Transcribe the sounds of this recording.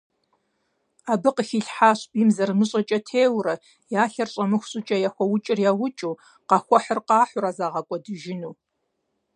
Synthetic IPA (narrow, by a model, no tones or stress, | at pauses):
aːbɨqəxiːɬħaːɕpiːmzɐrmɨɕʼɐt͡ʃʼɐtʰeːwrɐ | jaːɬɐrɕʼɐmɨxʷɕʼʊt͡ʃʼɐjaxʷɔwʊt͡ʃʼɪrjaːwʊt͡ʃʼuː | qɑxʷɔħərqɑːħʷʊɾaːzaːʁɐkʷʼɔdɨʒɪnuː